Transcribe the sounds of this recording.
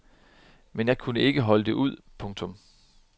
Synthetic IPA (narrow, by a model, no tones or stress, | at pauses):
menjɑ̈ɪkʰunəe̝ɡ̥əɦɒ̽ləd̥e̝ʔuð̞̰ˠpʰɔ̽ŋt͡sʰɔ̽m